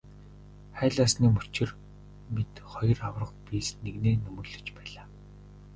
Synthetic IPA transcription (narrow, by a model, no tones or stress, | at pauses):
χæːɮaːsniːmɵt͡ɕɪ̆r | mit̪χɔjɞ̆rawrə̆χpʲisneɣneːnɵmɵ̆rɮɵ̆t͡ɕpæːɮaː